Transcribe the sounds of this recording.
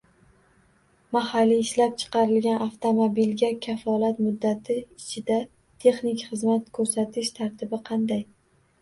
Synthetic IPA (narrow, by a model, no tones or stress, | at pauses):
mahalːiɪʃlap̚t͡ʃʰɨ̥qɑɾɪlɡʲanʔaft̪ʰomobilɡʲakʲʰafɒlat̪mʊd̪ːat̪ʰɪɪt͡ʃʰɪd̪a | t̪ʰe̞χnɪkʲχɨzmat̪kʰɵɾsat̪ʰɪʃt̪ʰaɾt̪ʰɪbɪqʰɑnd̪aj